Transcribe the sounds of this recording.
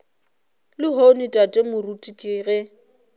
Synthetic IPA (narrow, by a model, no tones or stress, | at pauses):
lɪɦonitʼatʼɛmʊrutʼikʼɪːɣɛ